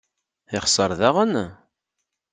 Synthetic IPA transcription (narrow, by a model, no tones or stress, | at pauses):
ɪχsˤəɾˤðaʁən